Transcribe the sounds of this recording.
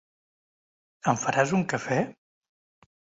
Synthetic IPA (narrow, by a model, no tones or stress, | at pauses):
əɱfəɾazuŋkəfɛ